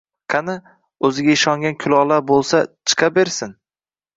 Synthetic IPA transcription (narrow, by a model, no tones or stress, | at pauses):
qʰɑnɪ | ɵzɪɡʲaɪʃɒŋɡʲankʲʰʊlɒlaɾbolˠsat͡ʃʰɨ̥qʰɑbeɾsɪn